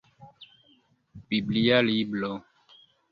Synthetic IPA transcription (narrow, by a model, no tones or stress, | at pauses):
biblijaliblɔ